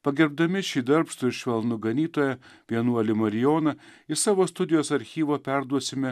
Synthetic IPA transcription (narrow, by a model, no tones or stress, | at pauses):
pɐɡʲɛɾb̚d̪ɐmʲɪʃʲiːd̪ɐɾpssʊɪɾʃʲʋʲɛlˠnʊɡɐnʲiːt̪oːjɛpʲiɛnuɔlʲɪmɐɾʲɪjoːnɐɪsɑːʋoːst̪ʊd̪ʲɪjoːsɐɾʲxʲiːʋoːpʲæɾd̪uɔsʲɪmʲɛ